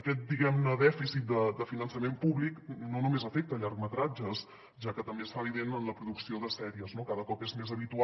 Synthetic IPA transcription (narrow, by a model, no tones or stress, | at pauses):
əkɛt̪̚d̪iɣɛmnəðɛfisit̪̚d̪əd̪əfinənsəmempuβliknonumezəfek̚t̪əʎaɾkmət̪ɾad͡ʒəs | ʒakət̪əmbesfaβiðenənləpɾuðuksioðəsɛɾiəznokaðəkɔpezmezəβit̪ua